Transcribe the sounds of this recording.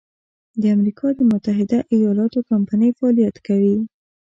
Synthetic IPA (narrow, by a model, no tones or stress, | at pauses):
d̪əamɾikʰɑd̪əmʊt̪aɦɪd̪aʔijɑlɑt̪okampanəjfaːlijat̪kawi